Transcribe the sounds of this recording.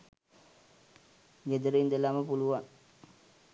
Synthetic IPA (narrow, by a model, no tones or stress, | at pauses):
ɡed̪əɾeind̪elaməpuluʋaŋ